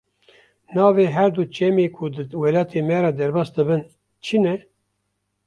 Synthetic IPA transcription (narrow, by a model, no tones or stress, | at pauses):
nɑːveːɦɛɾd̪ut͡ʃɛmeːkʰud̪ɨwelɑːt̪ʰeːmɛɾɑd̪ɛɾbɑːsd̪ɨbɨn | t͡ʃʰinɛ